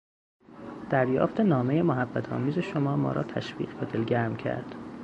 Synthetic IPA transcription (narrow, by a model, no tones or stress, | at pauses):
d̪̥æɾjɒ̰ːft̪e̞nɒːme̞jemoɦæbːæt̪ʰɒ̰ːmiːze̞ʃomɒːmɒ̰ːɾɒ̰ːt̪ʰæʃvḭːɣbɒd̪elɟæɾmcʰæ̰ɾd̪̥